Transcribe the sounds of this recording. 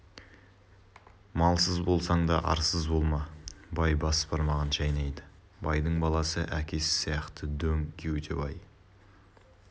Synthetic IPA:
mɑlˠsəzbo̞lˠsɑɴd̪ɑʔɑ̰ɾsəzbo̞lˠmɑbɑjbɑspɑɾmɑʁɑnʒɑjnɑjd̪ə | bɑjd̪əɴbɑlˠɑsəʔækʲʰe̞sɪ̥sijɑqt̪əd̪ɵŋkʲʰewɵt̪ʰḛbɑj

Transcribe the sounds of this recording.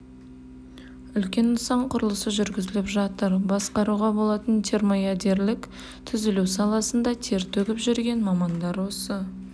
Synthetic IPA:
ʏlkʲe̞nʊsɑɴqʰʊɾəlˠəsəʒʏɾɡʲɪzɪlɪpʒɑt̪əɾbɑsqɑɾuʁɑbo̞lˠɑt̪ənt̪ʰe̞ɾmojad̪e̞ɾlɪk | t̪ʰʏzɪluwsɑlˠɑsənd̪ɑt̪ʰe̞ɾt̪ʰɵɡʲɪpʒʏɾɡʲe̞nmɑmɑnd̪ɑɾwo̞sə

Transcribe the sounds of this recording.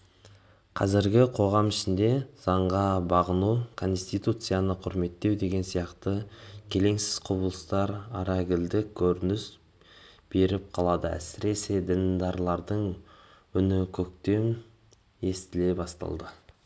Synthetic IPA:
qʰɑzɪɾɡʲɪqʰo̞ʁɑmɪʃɪnd̪e̞zɑɴʁɑbɑʁənukʰo̞nst̪ijt̪ut̪sɨjanəqʰʊɾme̞t̪ːe̞wd̪e̞ɡʲe̞nsijɑqt̪əkʲʰe̞le̞ŋsɪ̥z̥qʰʊbəlˠəst̪ɑɾɑɾɑɡʲɪld̪ɪkʲʰɵɾɪnɪs | b̥e̞ɾɪp̚qʰɑlˠɑd̪əæ̰sɪɾe̞se̞d̪ɪnd̪ɑɾlˠɑɾd̪əɴ | ʏnɪkʲʰɵk̚t̪e̞m | e̞st̪ɪle̞bɑst̪ɑ̰lˠd̪ə

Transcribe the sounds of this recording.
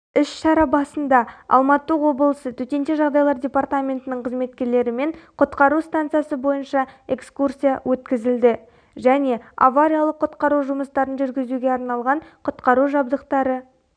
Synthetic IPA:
ʏsʃɑɾɑbɑsənd̪ɑɑ̰lˠmɑt̪ːəwo̞bəlˠəsət̪ʰɵt̪ʲe̞nt̪eʒɑʁd̪ɑjlˠɑɾd̪ʲe̞part̪amʲe̞nt̪ɪnɪɴqʰəzme̞t̪̚kʲe̞ɾle̞ɾɪme̞ɴqʰʊt̪qɑɾust̪ant̪sɨjasəbo̞jənʃɑe̞kskursijawʔɵt̪kʲɪzɪld̪ɪ | ʒæne̞a̰vaɾʲijalˠəqʰːʊt̪qɑɾuʒʊməst̪ɑɾənʒʏɾɡʲɪzuɡʲe̞ɑɾnɑlˠʁɑɴqʰʊt̪qɑɾuʒɑb̚d̪əqt̪ɑɾə

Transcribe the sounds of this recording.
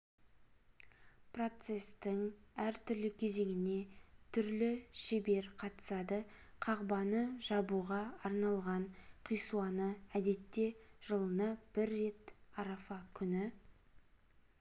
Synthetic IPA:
pro̞t̪se̞st̪ɪŋæɾt̪ʰʏɾlɪkʲʰe̞ze̞ŋɪne̞t̪ʰʏɾlɪʃebe̞ɾqʰɑt̪ə̥sɑd̪ə | qʰɑʁbɑnəʒɑbuʁɑːɾnɑlˠʁɑɴqʰijsuɑnəæd̪e̞t̪ːe̞ʒ̥əlˠənɑb̥ɪɾːe̞t̪ɑɾɑfɑkʲʰʏnɪ

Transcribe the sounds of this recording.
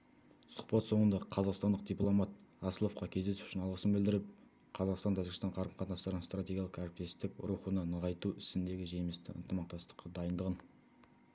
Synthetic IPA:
sʊ̥q̚pɑt̪so̞ɴənd̪ɑʁəqʰɑzɑqst̪ɑnd̪əqd̪ijplˠo̞mɑt̪̚ɑsəlˠo̞fqɑkʲʰe̞zd̪e̞su̥ʃɪnɑlˠʁəsəmbɪld̪ɪɾɪp̚ | qʰɑzɑqst̪ɑnt̪ʰæʒɪɡɪst̪ɑɴqʰɑɾəmqʰɑt̪nɑsɑɾənst̪rat̪ʲeɡʲijɑlˠə̥qæɾɪp̚t̪e̞st̪ɪkʊ̰ɾuχənənəʁɑjt̪uɪsɪnd̪e̞ɡʲɪʒe̞mɪst̪ɪ̰ə̰nt̪əmɑq̚t̪ɑst̪ə̥qːɑd̪ɑjənd̪əʁən

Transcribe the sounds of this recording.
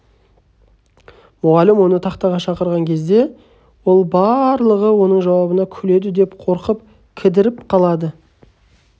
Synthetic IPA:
mʊʁɑlɪmwo̞nət̪ʰɑqt̪ɑʁɑʃɑqəɾʁɑŋkʲʰe̞zd̪e̞ | wolˠbɑɾlˠəʁəwo̞nəɴʒɑwɑbənɑkʲʰɵle̞d̪ɪd̪e̞pqʰo̞ɾqəp̚ | kʲʰɪd̪ɪɾɪpqʰɑlˠɑd̪ə

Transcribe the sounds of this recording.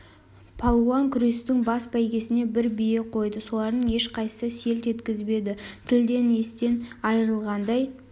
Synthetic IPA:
pʰɑlˠuɑŋkʲʰʏɾe̞st̪ɪŋbɑsbæjɡʲe̞sɪne̞bɪɾbije̞qʰo̞jd̪əso̞lˠɑɾd̪əɴe̞ʃqʰɑjsəse̞lt̪ʒe̞t̪kʲɪzbe̞d̪ɪt̪ʰɪld̪e̞ne̞st̪e̞nɑjəɾəlˠʁɑnd̪ɑj

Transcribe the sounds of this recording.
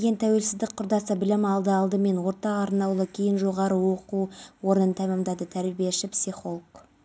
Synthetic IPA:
ɡʲe̞nt̪ʰæwe̞lsɪzd̪ɪk̚ʲqʰʊɾd̪ɑsəbɪlɪmɑlˠd̪əɑlˠd̪əme̞nwo̞ɾt̪ɑqɑɾnɑwlˠəkʲʰijɪnʒo̞ʁɑɾəwo̞quwo̞ɾənənt̪ʰæmɑmd̪ɑd̪ət̪ʰæɾbijeʃɪpsiχo̞lˠk

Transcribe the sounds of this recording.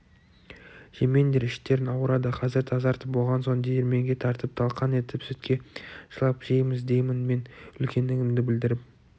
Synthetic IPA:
ʒ̥eme̞nd̪e̞ɾɪʃt̪e̞ɾɪnɑwɾɑd̪əqʰɑzɪɾt̪ʰɑzɑɾt̪əp̚bo̞lˠʁɑnsond̪ejeɾme̞ŋɡʲe̞t̪ʰɑɾt̪əp̚t̪ʰɑlˠqɑne̞t̪ɪpsʏt̪kʲe̞ʒ̥əlˠɑpʒ̥ejmɪzd̪e̞jmɪnme̞nʏlkʲʰe̞nd̪ɪɡʲɪmd̪ɪbɪld̪ɪɾɪp̚

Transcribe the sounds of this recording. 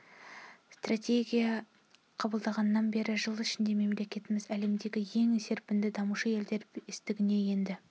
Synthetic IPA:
st̪rat̪ʲe̞ɡʲijɑ | qʰɑbəlˠd̪ɑʁɑnːɑnbe̞ɾɪʒəlˠɪʃɪnd̪e̞me̞mle̞kʲe̞t̪ɪmɪzæle̞md̪e̞ɡʲɪje̞ŋese̞ɾpɪnd̪ɪd̪ɑmuʃəje̞ld̪e̞ɾɪst̪ɪɡʲɪne̞je̞nd̪ɪ

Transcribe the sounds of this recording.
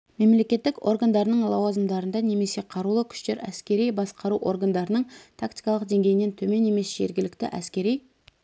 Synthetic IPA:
me̞mle̞kʲe̞t̪ːɪko̞ɾɡand̪ɑɾənəɴlˠɑwɑzəmd̪ɑɾənd̪ɑne̞me̞se̞qʰɑɾulˠəkʲʰʏ̥ʃt̪e̞ɾæ̰skʲe̞ɾijbɑsqɑɾuʔo̞ɾɡand̪ɑɾənəɴt̪ʰakt̪i̥jkɑlˠəq̚d̪e̞ŋɡʲejɪne̞nt̪ʰɵme̞nːe̞me̞sʒe̞̰ɾɡʲɪlɪkt̪ɪ̰ʔæ̰skʲe̞ɾij

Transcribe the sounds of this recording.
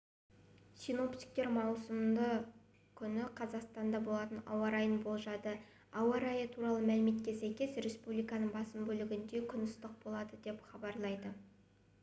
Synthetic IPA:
sijno̞pt̪i̥k̚t̪e̞ɾmɑwsəmd̪ə | kʲʰʏnɪqʰɑzɑqst̪ɑnd̪ɑbo̞lˠɑt̪ənɑ̰wɑɾɑjənbo̞lˠʒɑd̪ə | ɑwɑɾɑjət̪ʰuɾɑlˠəmælɪme̞t̪̚kʲe̞sæjkʲe̞sɾe̞spublijkɑnəɴbɑsəmbɵlɪɡʲɪnd̪e̞kʲʰʏnɪst̪əq̚bo̞lˠɑd̪əd̪e̞pχɑbɑɾlˠɑjd̪ə

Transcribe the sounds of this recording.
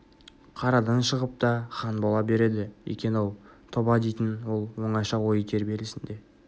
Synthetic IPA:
qʰɑɾɑd̪ɑnʃəʁəp̚t̪ɑχɑnbolˠɑbe̞ɾe̞d̪ɪwḛkʲe̞nolˠt̪ʰo̞bɑd̪ejt̪ɪnwo̞lˠwo̞ɴɑʃɑwo̞jək̪ʲʰe̞ɾbe̞ɾlɪsɪnd̪e̞

